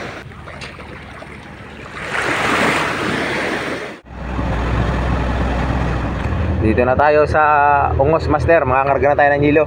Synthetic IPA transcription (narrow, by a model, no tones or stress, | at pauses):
d̪iːt̪onɐt̪aːjo̞sɐʔʊŋosmast̪ɛɾmɐŋaŋɐɾɡanɐt̪aːjonɐŋhiːlo